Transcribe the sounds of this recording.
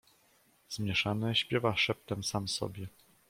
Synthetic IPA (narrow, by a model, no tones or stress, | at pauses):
z̥mʲjɛʂanɛɕpʲjɛvaʂɛp̚t̪ɛmsamsɔ̰bʲjɛ